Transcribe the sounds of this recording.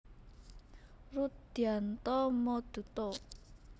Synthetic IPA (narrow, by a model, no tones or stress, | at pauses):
rut̪̚d̪̥iant̪ɔmɔd̪̥ṳt̪ɔ